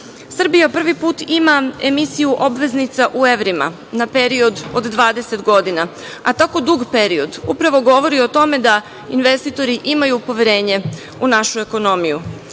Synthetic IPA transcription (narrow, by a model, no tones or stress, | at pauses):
sr̩bijapr̩ʋipuːt̪imae̞misijuʔo̞bʋe̞znit̪saʔue̞ʋɾima̰ | nape̞ɾio̞d̪od̪ːʋaːd̪e̞se̞t̪ɡo̞d̪ina | at̪ako̞d̪uɡpe̞ɾio̞d̪upɾaʋo̞ɡo̞ʋo̞ɾio̞t̪o̞me̞d̪a | inʋe̞st̪it̪o̞ɾiʔimajupo̞ʋjeɾe̞ːɲe̞ | unaʃue̞ko̞no̞miju